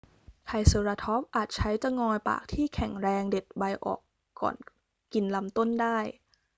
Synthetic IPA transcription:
t̪ʰa˧jsɤ˧ɾaː˧t̪ʰɔ˦˥p̚ʔaː˨˩t̪̚t͡ɕʰa˦˥jt͡ɕa˧ŋɔː˧jpa̰ː˨˩k̚t̪ʰiː˥˩kʰɛ˨˩˦ŋɾɛː˧ŋde˨˩t̪̚ba˧jʔɔ̰ː˨˩kː | ɔ̰ː˨˩n | ki˧nla˧mt̪o˥˩ndaː˥˩j

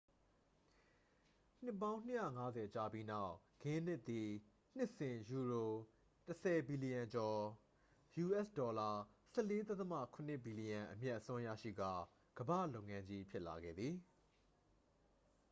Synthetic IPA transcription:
n̥ɪ˦pːã˦ʊ̃n̥ɪ˦˨ja̰˦˨ŋa˦zɛ˨t͡ɕa˨bji˦na˦ʊʔ | ɡɪ̃˦n̥ɪ˦˨t̪ːi˨ | n̥ɪ˦ʔsɪ̃˨ju˨ɹo˨ | təsʰɛ˨bi˨li˨jã˨ɲd͡ʑɔ˨ | ju˨ʔɛ˦˨sdɔ˨la˨sɛ˦˨le˦t̪a˦t̪ə˦ma̰˦˨kʰʊ̃˨n̥ɪ˦˨bi˨li˨jã˨ʔəmjɛ˦ʔəsʊ̃˦ʔjä̰˦˨ʃḭ˦˨ɡa̰˦˨ | ɡ̥əbä̰˦˨lõ˦ʊ̃ŋã˦ɲd͡ʑi˦pʰjɪ˦ʔla˨ɡɛ̰˦˨d̪ði˨

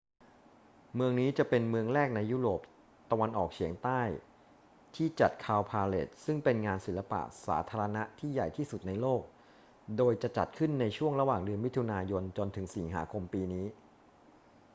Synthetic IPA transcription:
mɯ˧əŋniː˦˥t͡ɕa˨˩pe˧nmɯ˧əŋɾɛː˥˩k̚na˧jːuː˦˥ɾoː˨˩p̚ | t̪a˧wa˧nʔɔː˨˩k̚t͡ɕʰi˩˦əŋt̪aː˥˩j | t̪ʰiː˥˩t͡ɕa˨˩t̪̚kʰaː˧wpʰaː˧lḛ˨˩t̪̚sɯ˥˩ŋpe˧nŋaː˧nsi˨˩˦la˧pa̰˨˩ʔsa̰ː˩˦t̪ʰaː˧ɾa˧na˦˥ʔt̪ʰiː˥˩ja˨˩jt̪ʰiː˥˩su˨˩t̪̚na˧jloː˥˩k̚ | doː˧jt͡ɕa˨˩t͡ɕa̰˨˩t̪̚kʰɯ˥˩nːa˧jt͡ɕʰu˥˩əŋɾa˧waː˨˩ŋdɯ˧ənwi˦˥t̪ʰːu˧naː˧jo˧nt͡ɕo˧nt̪ʰɯ˩˦ŋsi˩˦ŋɦa̰ː˩˦kʰo˧mpiː˧niː˦˥

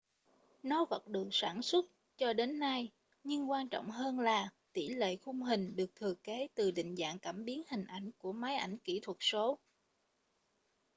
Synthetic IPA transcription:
nɔ˨˦və˨˩t̚ɗɨ˨˩ək̚saː˧˩nswə˦˥t̚ | t͡ɕɔ˧ɗe˨˦nːa˧j | ɲɨ˧ŋkwaː˧nt͡ɕɔ̰˧˨wŋ͡mɦəː˧nlaː˨˩t̪i˧˩lḛ˧˨xʊ˧ŋ͡mɦï˨˩ŋ̟ɗɨ˨˩ək̚t̪ʰɨ˨˩əke˨˦t̪ɨ˨˩ɗḭ̈˧˨ŋ̟za̰ː˧˨ŋkaː˧˩mɓi˨˦ənhï˨˩ŋ̟ʔa˧˩jŋ̟ku˧˩əma˨˦jʔa˧˩jŋ̟ki˧˩t̪ʰwə˨˩t̚so˨˦

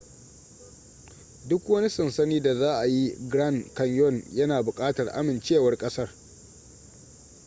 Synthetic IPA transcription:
dʊ˦kwɐ˦ni˦sɐ˨nsɐ˦niː˦da˨zaː˦ʔa˨ji˦ɡɾa˦˨nkɐ˨njɔ˦˨njɐ˦naː˨bʊ˨kʼaː˦tɐ˨rʔa̰˦mɪ˨nt͡ʃeː˦˨wɐ˦rkʼɐ˦sɐ˦r

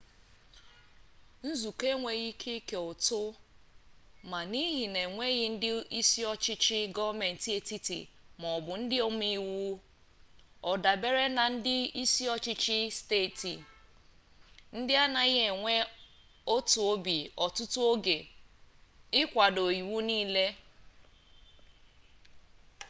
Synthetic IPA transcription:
n̩˦zu˨ke˦ŋʷe˨ɣi˦kʰe˦ke˨ʊ˨tʊ˦ | ma˨ni˦ɦi˨ne˨ŋʷe˦ɣɪ˦n̩˦dɪ˦i˦si˦ɔ˦t͡ʃɪ˦t͡ʃɪ˦ɡɔ˦va˦me˨n̩˨ti˦e˨ti˦tḭ˨mɔ˨bʊ˨n̩˦dɪ˦o˦m˦i˦wu˦ | ɔ˨da˨be˦ɾe˦na˨n̩˦dɪ˦i˦si˦ɔ˦t͡ʃɪ˦t͡ʃɪ˦ste˦˨ti˨ | n̩˦dɪ˦a˦na˨ɪ˦ɦe˨ŋʷe˦ | o˦tu˨o˦bi˨ɔ˨tʊ˦tʊ˦o˦ɡe˨ | ɪ˦kʷa˨do˨ji˨wu˦niː˦le˦

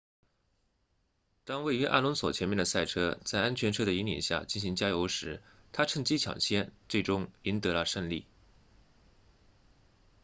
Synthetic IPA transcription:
t̪ɑ˥ŋwe˥˩ɪy˧˥ʔa̰˥˩lʊ˧˥ŋswɔ˨˩t͡ɕʰjɛ˧˥nmjɛ˥˩nd̪ə˩sa˥˩ɪʈ͡ʂʰɤ˥t͡sa˥˩ɪʔa˥nt͡ɕʰɥɛ˧˥nʈ͡ʂʰɤ˥ɾə˨i˧˥njɛ̰˨˩nɕja̰˥˩t͡ɕi˥˩nɕi˧˥ŋt͡ɕja˥jo˧˥ʊʂɻ̩˧˥ | t̪ʰa˥ʈ͡ʂʰɤ˥˧ŋt͡ɕi˥t͡ɕʰjɑ̰˨˩ŋɕʰjɛ˥nʈ͡ʂɤ˥˩ʈ͡ʂʊ˥ŋi˧˥nt̪ɤ˧˥lə˧ʂə˥˧nlḭ˥˩

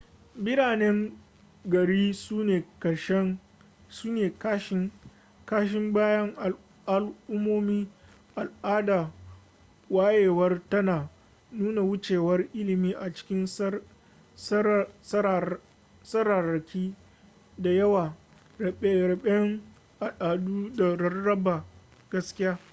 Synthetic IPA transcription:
bɪ˦ɾaː˨nɛ˦ŋ | ɡɐ˨ɽiː˦sneː˨kɐ˨ʃ | suː˦neː˨kʃ | kaː˦ʃ̬ɪ˦mbaː˦jɐ˦ŋʔa˨ | ʔa˨lʔʊ˦mːoː˦miː˦ | ʔa˨lʔaː˦daː˨ | waː˦jeː˨wɐ˦rtɐ˦naː˨ | nuː˦na˨wʊ˦t͡ʃeː˨wɐ˦rʔɪ˦lɪ˨miː˦ʔa˨t͡ʃɪ̥˦kʲɪ˦n˦ | ss | sɐ˦ɾa˨ɾɐ˨kʲiː˦ | da˨jɐ˦waː˨ | ɛ˦ɾɐ˨ɓɛ˦ŋ | ʔa˨ɗaː˨duː˦da˨ɾɐ˦rːɐ˦ba˨ | ɡ̥ɐ˦skʲɪ˦jaː˦

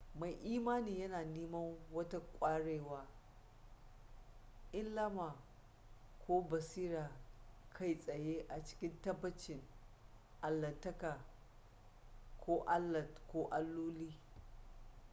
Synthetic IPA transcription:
ma˨jʔiː˦maː˦niː˨jɐ˦naː˨niː˦mɐ˦ŋwɐ˦ta˦kʷʼaː˦ɽeː˨waː˦ | ʔɪ˦nlɐ˦maː˨ | kʰʷoː˦bɐ˨siː˦ɾaː˨kʰa˦˨jsʼɐ˨je˦ʔa˨t͡ʃɪ̥˦kʲɪ˦ntɐ˦bːɐ˦t͡ʃɪ˨ŋ | ʔa˨lːɐ˨tːɐ˦ka˨ | kʷʰoː˦ʔa˦lːɐ˨tkʷoː˦ʔa˦lːuː˦liː˦

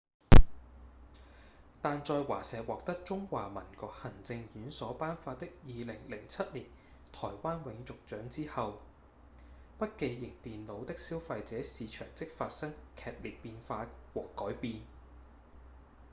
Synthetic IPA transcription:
t̪aː˨nt͡ʃɔː˧jwa̰ː˨˩sɛː˨wɔː˨k̚t̪ɐ˥k̚t͡ʃʊ˥ŋwaː˨mɐ˨˩nkɔː˨˧k̚hɐ˨˩ŋt͡sɪ˧ŋjyː˨˥nsɔː˨˥paː˥nfaː˧t̚t̪ɪ˥k̚jiː˨lɪ˨˩ŋlɪ˨˩ŋt͡sʰɐ˥t̚liː˨˩n | t̪ʰɔː˨˩jwaː˥nwɪ˨˧˥ŋt͡sʊ˨k̚t͡ʃœː˨˥ŋt͡siː˥hɐ˨w | pɐ˥t̚ke˧jjɪ˨˩ŋt̪iː˨nlo˨˧wt̪ɪ˥k̚siː˥wfɐ˧jt͡sɛː˨˥siː˨˧t͡ʃʰœː˨˩ŋt͡sɪ˥k̚faː˧t̚sɐ˥ŋkʰɛː˨t̚liː˨˩t̚piː˧nfaː˧wɔː˨˩kɔː˨˥jpiː˧n

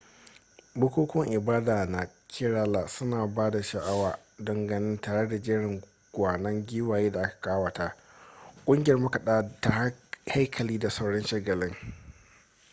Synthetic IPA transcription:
bʊ˦kʷuː˦kʷʊ˦ŋʔɪ˨baː˦daː˨na˨kʰʲɪ˦ɾaː˦laː˨sʊ˦naː˨baː˦da˨ʃa˨ʔa˦waː˨ | dɐ˨ŋɡɐ˨nɪ˦ntaː˨ɽe˦da˨d͡ʒɪː˦ɽɪ˨ŋ | ɡ̥ʷaː˨nɐ˦ŋɡʲiː˦waː˨jeː˦da˨ʔa˦kḁ˨kaː˦wa˨ta˦kʷʼʊ˦ŋɡʲɪ˦jɐ˦˨mʊ˦ka˨ɗaː˦ta˨hha˦jkʰɐ˨liː˦da˨sa˦wɽɔ˦nʃɐ˦ɡɐ˨lɪ˦ŋ

